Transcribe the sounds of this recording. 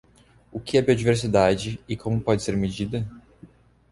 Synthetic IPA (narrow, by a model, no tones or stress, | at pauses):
ʊkɪɛbiod͡ʒiveɾs̬id̪ad͡ʒɪɪkʰõmʊpɔd͡ʒɪseɾmed͡ʒid̪ɐ